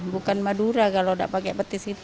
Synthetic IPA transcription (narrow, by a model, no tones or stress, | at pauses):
bukanmaduɾakaloda̰ʔpakɛpət̪isit̪